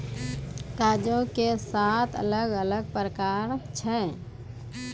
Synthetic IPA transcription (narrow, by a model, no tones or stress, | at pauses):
kaːd͡ʒõkesaːt̪ʰə̰ləɡələɡ̚pɾəkaːɾt͡ʃʰɛ